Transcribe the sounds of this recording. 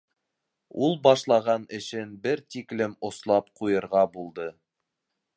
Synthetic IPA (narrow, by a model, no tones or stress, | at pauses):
ulˠbɑʃlˠɑʁɑnɘ̆ʃɘnbɘɾt̪iklɘmŏslˠɑpqujɤ̆ɾʁɑbulˠd̪ɤ